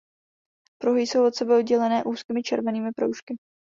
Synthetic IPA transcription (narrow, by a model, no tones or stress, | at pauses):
pɾoɦɪjsowʔo̞t̪sɛbɛod̪ɟɛlɛnɛːʔuːskiːmɪt͡ʃɛɾvɛniːmɪpɾo̰wʃkɪ